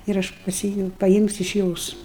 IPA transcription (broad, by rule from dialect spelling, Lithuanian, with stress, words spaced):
ɪr ˈɐʃ pɐˈsʲɪ pɐˈjɪmʲsʲʊ ɪʃ ˈjoːs